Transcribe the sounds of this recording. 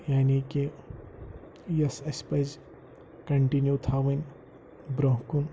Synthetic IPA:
jaːniki | jɐsespɐz | kɐɳʈinjut̪ʰaʋɐn | bɾɐ̃ɦkun

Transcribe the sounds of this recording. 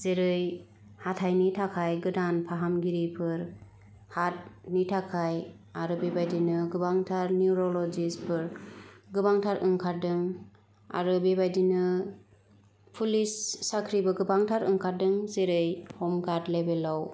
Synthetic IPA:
zeɾɯj | hatʰajnitʰakʰajɡɯdanpʰaɦamɡiɾipʰɯɾ | hat̚nitʰakʰaj | aɾɯbebajdinɯɡɯbaŋtʰaɾniuɾɔlɔd͡ʒispʰɯɾɡɯbaŋtʰaɾɯŋkʰaɾdɯŋ | a̰ɾɯbebajdinɯ | pʰulisːakʰɾibɯɡɯbaŋtʰaɾɯŋkʰaɾdɯŋzeɾɯjhɔmɡatlebelaw

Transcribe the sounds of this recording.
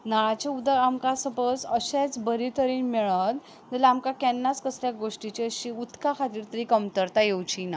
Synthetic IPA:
naɭat͡ɕaud̪əamkasəpəsəɕet͡sbəɾit̪əɾiːnmɛɭət̪ | d̪əlaamkakɛnːaskəsljaɡoʂʈit͡ɕiəɕiut̪kakʰat̪iːɾt̪əɾikəmt̪əɾt̪ajewt͡ɕina

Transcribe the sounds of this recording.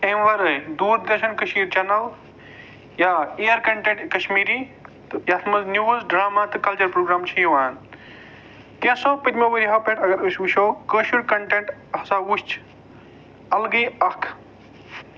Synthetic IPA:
ẽʋɐɾɨd̪uːɾd̪ɐɾʃɐnkɐʃmiːɾt͡ʃɐnɐl | jaejɐɾkɐɳʈẽɳʈkɐʃmiːɾit̪ɨjat̪ʰmɐznʲjuːzɖɾaːmat̪ɨkɐlt͡ʃɐɾpɾoːɡɾaːmt͡ʃʰijʋaːn | k̪ẽsoːpid̪moʋiɾiɦɐpeʈɐɡɐɾuʃʋuʃoːkəʃuɽkɐɳʈẽɳʈɐsãːuʃt͡ʃʰ | ɐlɡiɐkʰ

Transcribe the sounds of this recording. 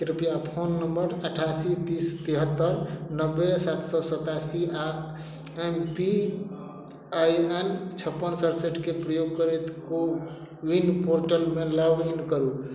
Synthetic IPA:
kɾipijap̪ʰonːəmbəɾəʈʰasit̪ist̪iɦət̪ːəɾnəbːesat̪sɔsət̪asia | empi | ajent͡ʃʰəpːənsəɾseʈkepɾəjoɡ̚kəɾet̪ko | winpoɾʈəlmeləʋinkəɾu

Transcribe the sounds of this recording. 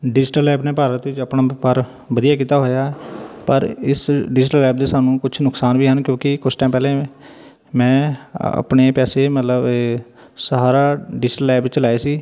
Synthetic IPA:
ɖɪd͡ʒʈəlɛːbneːpaːɾət̪ʋɪt͡ʃəpnaːpəɾ | bəd̪ijaːkiːt̪aːɦoːjaːpəɾɪ̰sɖɪd͡ʒʈəlɛːb̚d̪eːsaːnũːkʊt͡ʃʰnʊksaːnʋiːɦənkjõːkɪkʊt͡ʃʰʈãːmpɛːlẽː | mɛ̃ːə̰pneːpɛːseːmət̪ləb | səɦaːɾaːɖɪd͡ʒʈəlɛːbt͡ʃlaːeːsiː

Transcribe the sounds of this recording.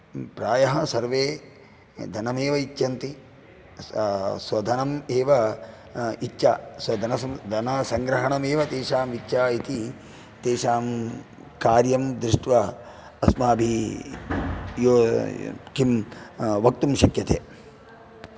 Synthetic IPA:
pɾaːjɐɦɐsɐɾʋeː | d̪ʱɐnɐmeːʋɐit̪jɐnt̪i | sʋɐd̪ʱɐnɐmeːʋɐ | itːt͡ʃʃʰa̰ːsɐd̪ʱɐnɐsɐd̪ɐnɐsɐŋɡɾɐɦɐɳɐmeːʋɐt̪eːʃaːmʋitːʃʰaːit̪i | t̪eːʃaːm | kaːɾjɐmd̪ɾɪʂʈʋɐ | ɐsmaːɐbʱi | joː | kimʋɐk̚t̪umʃɐkjɐt̪ʰeː

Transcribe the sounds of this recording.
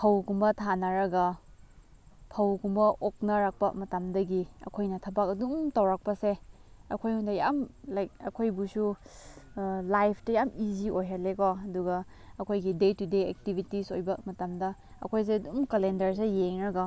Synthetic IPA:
pʰɐwkumbɐtʰanɐɾɐɡɐ | pʰɐwkumbɐʔok̚nɐɾak̚pɐ̰mɐtamdɐɡiɐ̰kʰojnɐtʰɐbak̚ɐduŋtɐwɾak̚pɐseɐkʰojhundɐjamlajk̚ɐkʰojbusu | lajpʰtɐjamiziʔojɦalekoɐduɡɐ | ɐkʰojɡidetudeḛk̚tibitisojbɐmɐtamdɐ | ɐ̰kʰojs̬eɐdumkɐlendɐɾs̬ejeŋɾɐɡɐ

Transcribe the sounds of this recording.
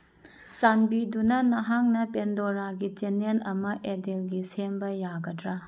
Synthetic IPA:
sanbidunɐnɐɦaŋnɐpendoɾaɡit͡ʃenenɐmɐʔedelɡisembɐjaɡɐdɾa

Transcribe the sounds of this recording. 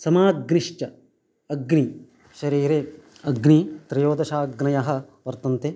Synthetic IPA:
sɐmaːɡniʂt͡ʃɐ | ɐɡni | ʃɐɾiːɾe | ɐɡnit̪ɾɐjoːd̪ɐʃaːɡnɐjaːɦɐ̆ | ʋɐɾt̪ɐnt̪e

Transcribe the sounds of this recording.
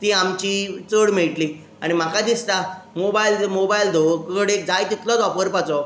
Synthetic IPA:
t̪iːamt͡ɕiːt͡səɽm̤iɭʈliː | aɽ̃im̤akad̪ist̪amobailmobaild̪okəɽek̚d͡zajk̪it̪lɔd̪ɔpəɾpat͡sɔ

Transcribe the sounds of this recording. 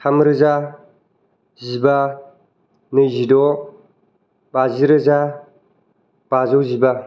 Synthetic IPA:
tʰamɾɯza | ziba | nɯjzidɔ | baziɾɯza | b̥azɔziba

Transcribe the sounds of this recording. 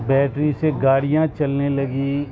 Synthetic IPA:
bɛːʈɾiseɡaːɽijãt͡ʃɐlnelɐɡi

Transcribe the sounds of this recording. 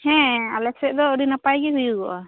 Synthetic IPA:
hɛ̃alɛksɛʔd̪ɔːɾinapajɡɛɦujuɡɔʔa

